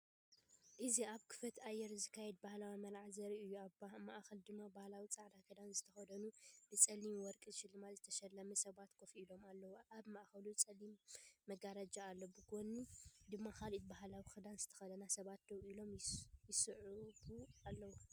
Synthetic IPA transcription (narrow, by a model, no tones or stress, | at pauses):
ʔɨziaβkʰɨ̥fɐt̪ajːɛɾzɨkʰːajɛd̪̚bahlawimɐlʕazɐɾiɨjːuamaʔxɐld̪ɨmːabahlawit͡sʼaʕd̪akʰɐd̪anzɨt̪ʰɐxɐd̪ɐnub̥ɨt͡sʼɐlimwɔɾkʼɨzɨʃɪlːɨmazɨt̪ʰɐʃɐlːɐmɐsɐβat̪kʰofilo̞malːɐwʔaβmaʔxɐlut͡sʼɐlimːɐɡaɾad͡ʒaːlːobɨɡonud̪ɨmːakalit̪̚bahlawixɨd̪anzɨt̪ʰɐ̥xɐd̪ɐnasɐβat̪̚d̪ɐwilo̞mjɪsɨʕubualːɐwu